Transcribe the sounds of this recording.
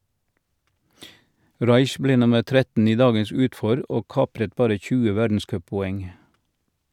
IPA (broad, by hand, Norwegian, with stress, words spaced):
ˈʁɑɪç ˈbleː ˈnʊməʁ ˈtɾɛtn̩ ˈiː ˈdɑːɡəs ˈʉːtˌfɔɾ ˈoː ˈkɑːpɾət ˈbɑːɾə ˈçʉːə ˈʋædn̩ˌskœppɔˌɛŋ